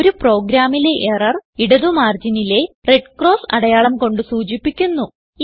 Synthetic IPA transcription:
oɾupro̞ːɡɾaːmile̞ʔerɐriɽɐðumaːrd͡ʑinile̞re̞ɖkro̞ːsɐɽɐjaːɭɐmko̞ɳɖɨsuːd͡ʑipːikʲːunːu

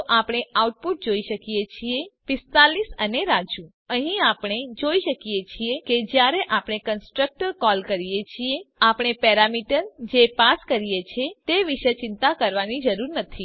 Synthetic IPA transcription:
ʔapɽ̃eauʈ̚puʈ̚d͡ʒoiʃəkijet͡ʃʰiepɪst̪alisəneɾad͡ʒũ | əɦĩapɽ̃ed͡ʒoiʃəkijet͡ʃʰieked͡ʒjaɾeʔapɳ̃ekənsʈɾək̚ʈəɾkɔlkəɾijet͡ʃʰieapɽ̃epɛɾamiʈəɾd͡ʒepaskəɾijet͡ʃʰet̪eʋiʃət͡ʃɪnt̪akəɾʋanid͡ʒəɾuɾnət̪ʰi

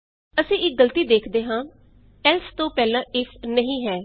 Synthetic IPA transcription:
əsĩːɪk̚ɡəlt̪iːd̪eːkʰd̪eːɦãː | ɛlst̪õːpɛːlãːʔɪfʰnəɦĩːɦɛː

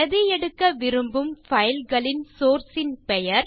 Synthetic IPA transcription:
ɐðɪjɛɽɯkːɐʋɪɾɯmbɯmfɐjɪlɣɐɭɪnsoːɾsɪnpɛjɐɾ

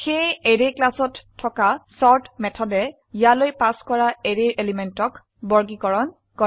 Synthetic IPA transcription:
xejeɹeklasɔtʰːɔkasɔɹtmɛtʰɔdɛ | ijalojpaskɔɹaeɹeɹʔelimɛntɔk | bɔɹɡikɔɹɔn | kɔ

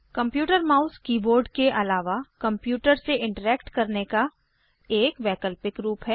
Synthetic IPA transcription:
kɐ̃mpjuːʈəɾmaːʊzkiːboːɾɖkeʔɐlaːʋakɐ̃mpjuːʈəɾseɪ̃ɳʈəɾɛːkʈkɐɾneka | eːkʋɛːkəlpɪkɾuːpɦɛː

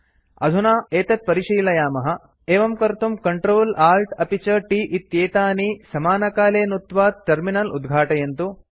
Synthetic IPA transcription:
ɐ̰d̪ʱunaːeːt̪ɐt̪̚pɐɾiʂɐjlɐjaːmɐɦɐ̆ | eːʋɐmkɐɾt̪umkɐɳʈɾoːlaːlʈɐpit͡ʃɐʈiːʔit̪jeːt̪aːnisɐmaːnɐkaːleːnut̪ʋaːt̪̚ʈɐɾminɐlṵd̪ɡʱaːʈɐjɐnt̪u

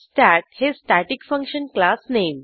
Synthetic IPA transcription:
sʈæʈ̚hisʈaʈikfə̃ŋkʃənklasneːm

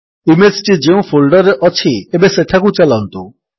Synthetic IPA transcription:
imesʈid͡ʑeũfʰolɖɔɾeʔɔt͡ɕʰiebeseʈʰakut͡ɕalɔnt̪o

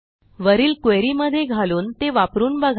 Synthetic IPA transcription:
ʋəɾiːlkeɾiːməd̪ʱːjeɡʱaluːnt̪eʋapɾuːnbəɡʱ

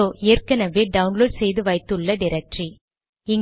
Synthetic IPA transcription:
oːʔeːrkɐnɐʋeːɖɐʋʊnloːɖsɛjðɯʋɐɪt̪ːɯɭːɐɖɪɾɐk̚ʈri | ɪŋ

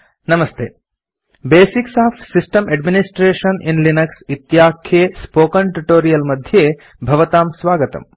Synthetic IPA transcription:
nɐmɐst̪ʰḛː | beːsiksaːfsisʈɐmʔɐɖminisʈɾeːʃɐnḭ̃nlinɐksit̪jaːkʰːespoːkɐɳʈuʈoːɾijɐlmɐd̪ʱjeː | bʱɐʋɐt̪aːmsʋaːɡɐt̪ɐ̰m

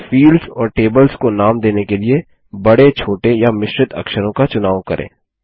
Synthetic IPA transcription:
fiːlɖzɔːɾʈeːbəlskonaːmd̪eːnekelie | bɐɽet͡ʃʰoːʈejamɪʃɾɪt̪ɐ̰kʃəɾõkat͡ʃʊnaːʋkɐɾʔḛ̃ː

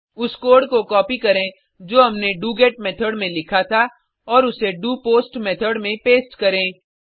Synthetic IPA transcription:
ʊskoːɾɖkokɔːpikɐɾẽ | d͡ʒoːɦɐmneɖuːɡeːʈmɛːt̪ʰəɖmẽlɪkʰat̪ʰa | ɔːɾʊseɖuːpoːsʈmɛːt̪ʰəɖmẽpeːsʈkɐɾẽː

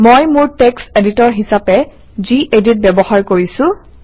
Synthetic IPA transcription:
mojmʊɹtekseditɔɹɦisapɛ | ziʔedit̚bebɔxaɹkoɹisʊ̃

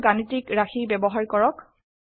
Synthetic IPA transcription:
ɡanitikɹaxibɛbɔɦaɹkɔɹɔk

